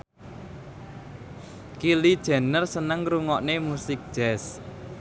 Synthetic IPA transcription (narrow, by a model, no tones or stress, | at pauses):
kilid̥ʒ̥ɛ̤nərsənəŋɾuŋɔʔnemusɪk̚d̥ʒ̥ɛs